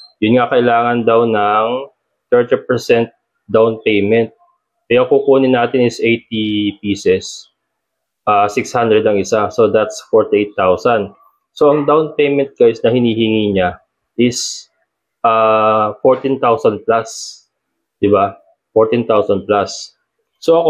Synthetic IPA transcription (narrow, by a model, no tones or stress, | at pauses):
jʊnŋakɐʔɪlaːŋɐnd̪ɐwnɐŋ | t̪ɛɹt̪ɛpɛɹsɛnt̪̚ | d̪awnpejmɛnt̪̚ | kɐjakukuːnɪnːaːt̪ɪnɪsʔejt̪̚ipiːsɛs | ʔaːsɪkshand̪ɾɛd̪ɐŋʔɪsaso̞d̪at̪sfɔɹt̪ɪʔejt̪ːawsɐnd̪ | so̞ʔɐŋd̪awnpejmɛ̃nt̪̚ɡajsnɐhɪniːhɪŋiːɲa | ʔɪs | ʔaːfoɹt̪int̪awsɐn̚plas | d̪̥ɪba | foɹt̪ĩnt̪awsɐnd̪̚plasː | oʔɐk